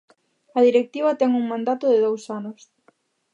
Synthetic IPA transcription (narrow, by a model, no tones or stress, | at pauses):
ɐðiɾek̚t̪iβ̞ɐt̪ɛŋuŋmãnd̪at̪ʊðɪðowsanʊs